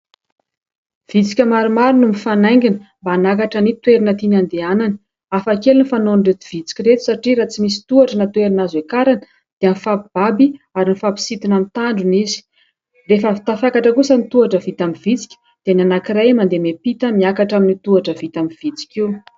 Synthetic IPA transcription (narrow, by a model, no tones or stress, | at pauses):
v̥it͡si̥kʲamaɾumaɾunumifanajŋɡʲinə̥mbaːnak̬aʈ͡ʂənit̪weɾinət̪inand̪eananə̥ | afakelunifanonɖ͡ʐet̪u̥v̥it͡si̥kʲiɾet̪u̥saʈ͡ʂiɾat͡simisi̥t̪uaʈ͡ʂənat̪weɾinazekaɾanə̥ | d̪̥eanifapib̥abiaɾinifapi̥sit̪inant̪aɳɖ͡ʐunizi̥ | refəit̪afakaʈ͡ʂəkusənit̪uaʈ͡ʂəvit̪amivit͡si̥kʲə̥ | d̪̥enanakiɾajmand̪emepit̪əmiakaʈ͡ʂaminit̪uaʈ͡ʂəvit̪amiv̥it͡si̥kʲi